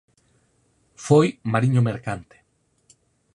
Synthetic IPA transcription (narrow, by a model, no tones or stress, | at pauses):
fojmaɾiɲomeɾkant̪e̥